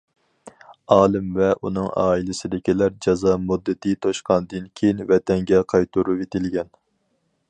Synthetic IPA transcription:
ɑːlˠɨmvɛʔṵnɨŋɑ̰ːilɪsɪd̪ɪkʲilæɾd͡ʒɑzɑːmud̪ːɨt̪ʰɨt̪ʰoʃqɑnd̪ɨnkʲʰejinvɛt̪ʰɛŋɡʲɛqʰɑjt̪ʰuɾujet̪ʰɪlɡʲɛn

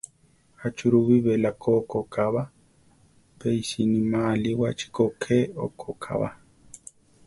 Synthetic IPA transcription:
at͡ʃuɾuβiβelakʰokokaβa | peisinimaliwat͡ʃi̥kokʰeo̰kʰokʰa̰βa̰

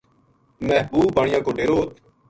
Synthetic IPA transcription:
mɛɦbuːbbaːɳɪjãːkoːɖeːɾoːt̪

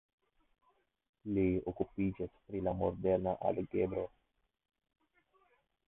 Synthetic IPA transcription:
leokupid͡ʒaspɾilamoɾd̪ɛɾnaʔa̰laɡebɾo

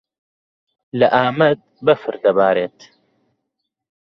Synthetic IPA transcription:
lɐʔaːmɐd̪̚bɐfɨɾd̪ɐbaːɾeːt̪

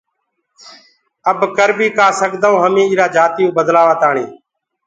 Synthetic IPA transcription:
əbkəɾbiːkaːsəɡd̪aõːɦəmĩːiːɾaːd͡ʒaːt̪ijũːbəd̪laːʋaːt̪aːɳḛː

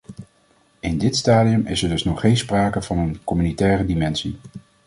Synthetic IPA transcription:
ɪndɪtstaːdiəmɪsɛɹdɵsnɔχejnspraːkəvɑnənkɔmynitɛːrədimɛnsi

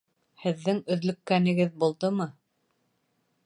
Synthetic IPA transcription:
hɘ̆ðːɘŋɵ̆ðlɵ̆kːænɘ̆ɡɘðbulˠd̪ɤmɤ

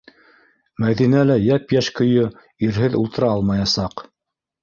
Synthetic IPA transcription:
mæðinælæjæpjæʃkɵ̆jɵ | iɾɦɘðṵlˠt̪ɤ̆ɾɑɑlˠmɑjɑsɑq

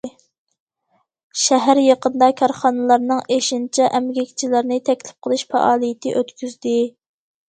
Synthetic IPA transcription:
ʃɛɦæɾjɑqənd̪ɑkʲʰɑɾχɑnɨlˠɑɾnɨŋeʃint͡ʃʰɛʔɛmɡʲekʲt͡ʃʰilɪɾnɪt̪ʰɛkʲlɪ̥p̚qʰəlˠɨʃfɛ̰ʔɑːlˠijɪt̪ʰɪʔøt̪kʲʰyzd̪ɪ

